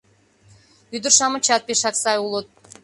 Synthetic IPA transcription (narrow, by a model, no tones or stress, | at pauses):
yd̪əɾʃɑmɤ̆t͡ɕɑt̪̚peʃɑksɑjulˠot̪̚